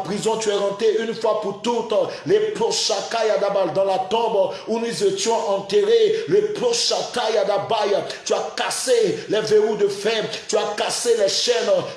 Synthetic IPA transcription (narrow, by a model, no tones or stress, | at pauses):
pχizɔ̃t̪yɛʁɑ̃t̪eynfwapuʁt̪ut̪leplɔʃakajad̪abajd̪ɑ̃lat̪ɔ̃bunuzet̪jɔ̃ʔɑ̃t̪eʁeleplɔʃakajad̪abajt̪yakaselɛveʁud̪əfɛ̃t̪yakaselɛʃɛn